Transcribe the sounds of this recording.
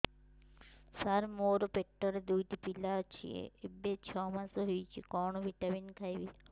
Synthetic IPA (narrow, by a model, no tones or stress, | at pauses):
saɾmoɾopeʈːəɾed̪ujt̪ipilat͡ʃʰḭḛibet͡ʃʰɔmasoɦijt͡ʃʰikɔːɳoʋiʈaʋinkʰajʋi